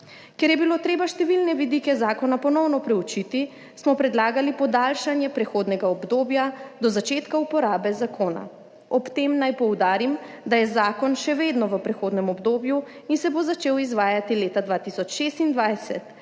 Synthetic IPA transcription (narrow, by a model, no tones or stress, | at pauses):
kɛɾjɛbilot̪ɾeːbaʃt̪ɛʋilnɛʋid̪ikɛzaːkɔnapɔnɔwnɔpɾɛut͡ʃit̪i | smɔpɾɛd̪laːɡalipɔd̪aːlʃanjɛpɾɛxoːd̪nɛɡaɔbd̪oːbjad̪ɔzat͡ʃeːt̪kaupɔɾaːbɛzakoːna̰ | ɔpt̪emnajpɔwd̪aːɾimd̪ajɛzaːkɔnʃɛʋeːd̪nɔʋəpɾɛxoːd̪nɛmɔbd̪oːbju | insɛbozat͡ʃeːwizʋaːjat̪ileːt̪ad̪ʋaːt̪isɔt͡ʃʃeːst̪ind̪ʋajsɛ̰t̪